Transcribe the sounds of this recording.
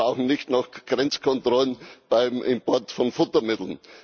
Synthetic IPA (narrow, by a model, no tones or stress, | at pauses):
aʊxn̩nɪçtnaxɡ̥ʁɛnt͡skʰɔntʁɔlənb̥aɪmʔɪ̰mpɔɐtfɔnfʊtɐmɪtl̩n